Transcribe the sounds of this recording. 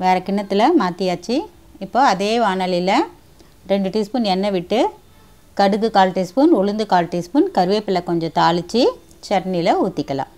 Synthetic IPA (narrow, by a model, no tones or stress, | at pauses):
ʋeːɾɐkɪɳːɐt̪ːɪlɐmaːt̪ɪjaːt͡ʃːi | ɪpːoːɐðeːʋaːnɐlɪlɐ | ɾɛɳɖɯʈɪspɯnɛnːɐʋɪʈːɯ | kɐɽɯkːɯkaːlʈɪspɯnʊɭɯnd̪ɯkaːlʈɪspɯnkɐɾɯʋeːpːɪlɐkɔɲd͡ʒɔ̃t̪aːlɯt͡ʃːi | t͡ʃɐʈnɪlɐuːt̪ːɪkːɐlã̰ː